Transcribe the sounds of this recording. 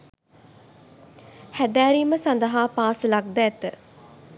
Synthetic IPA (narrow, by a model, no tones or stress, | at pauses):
hæd̪æːɾiməsand̪əɦaːpaːsəlak̚d̪æːt̪ə